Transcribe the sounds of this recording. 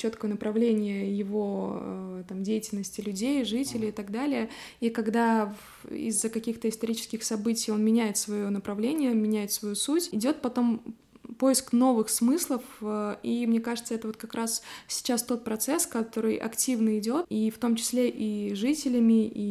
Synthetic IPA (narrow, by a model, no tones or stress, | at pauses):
t͡ɕo̞t̪kəjənəpɾɐvlʲenʲɪjəjɪvo̞ət̪amdʲejɪtʲɪlʲnəsʲtʲɪlʲʉdʲejʐɨtʲɪlʲɪɪt̪ɐɡd̪alʲɪjəikɐɡd̪av | ḭzːəkɐkʲixt̪əɪst̪ɐɾʲit͡ɕɪ̥skʲɪxsɐbɨtʲɪjo̞nmʲɪnʲæjɪt̪svɐjonəpɾɐvlʲenʲɪjəmʲɪnʲæjɪt̪svɐjusutʲɪdʲo̞t̪̚pɐt̪o̞m | po̞jɪskno̞vɨxsmɨslˠəfəimnʲe̞kaʐɨt̪səɛt̪əvo̞t̪kɐkɾʔassʲɪ̥t͡ɕast̪o̞t̪̚pɾɐt̪sɛskɐt̪o̞ɾɨjʔɐ̰ktʲivnəɪdʲo̞t̪ift̪o̞mt͡ɕɪ̥sʲlʲeʔiʐɨtʲɪlʲɪmʲɪʔi